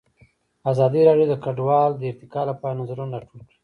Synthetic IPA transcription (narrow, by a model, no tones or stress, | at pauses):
azɑd̪iɾɑɖjod̪əkaɖwɑld̪əɪɾt̪ɪkɑlapɑjanazaɾunɾɑʈʰulkɽi